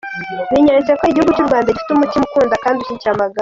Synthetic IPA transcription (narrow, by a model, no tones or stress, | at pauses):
niɲaɲzakoeɟihuɡut͡ʃuɾuɡaːndaɟifi̥tumutimukuːndakaːndiut͡ʃicamaɡa